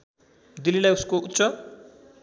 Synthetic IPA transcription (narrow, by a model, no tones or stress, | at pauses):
d̪ililajuskoʔut̪ːsʌ